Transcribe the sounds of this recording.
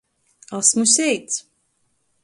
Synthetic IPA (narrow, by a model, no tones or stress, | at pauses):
asmusʲɛjt̪s